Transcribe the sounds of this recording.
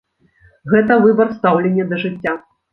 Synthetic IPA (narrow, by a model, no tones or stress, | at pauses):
ɣɛt̪ɐvɨbɐrst̪awlʲenʲːɛd̪ɐʐɨt͡sʲːa